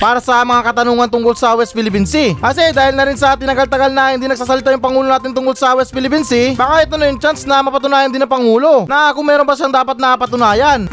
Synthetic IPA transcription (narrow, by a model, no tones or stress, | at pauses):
paːɾɐsɐmɐŋakɐt̪ɐnuːŋɐnt̪ʊŋkolsɐwɛs̚pɪlɪpinsiʔɐsɛd̪aːhɪlnɐɾɪnsɐt̪ɪnɐɡalt̪ɐɡalnɐhɪnd̪iːnɐɡ̚saːs̬ɐlɪt̪ajʊŋpɐŋuːlonaːt̪ɪnt̪ʊŋkolsɐwɛst̪pɪlɪpinsɪbaːkaʔɛt̪onɐjʊŋt͡ʃansnɐmɐpɐt̪ʊnaːjɐnd̪ɪnːɐpɐŋuːlo̞nɐʔakʊŋmɛːɾonbɐʃaŋd̪aːpɐt̪̚nɐapɐt̪ʊnaːjɐn